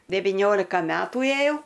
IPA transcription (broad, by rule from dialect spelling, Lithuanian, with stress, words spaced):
dʲɛʋʲɪˈnʲoːlʲɪkɐ ˈmʲæːtuː eːˈjɛʊ